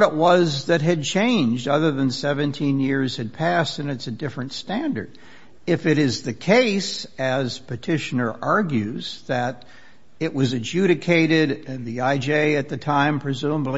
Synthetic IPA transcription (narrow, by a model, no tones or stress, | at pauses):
ɾəʔ̚wʌzðɨt̚ɦɨd̚t͡ʃʰẽɪ̃nd͡ʒdʌðə˞ðɨ̃nsɛvɨ̃ntʰĩnjɪɹz̥ɨd̚pʰæstɨ̃nɨtsɨdɪfɹɨ̃ntstæ̃ndə̰˞ɾ | ɨfɨɾɪzðɨkʰeɪsɨz̥pʰɨtʰɪʃɨnə˞ʔɑɹɡjʉzðɨɾ | ɪʔ̚wʌzɨd͡ʒʉɾɨkʰeɪɾɪɾɨ̃nðiaɪd͡ʒeɪɨt̪̚ðɨtʰãɪ̃mpʰɹ̥ɨzũmbli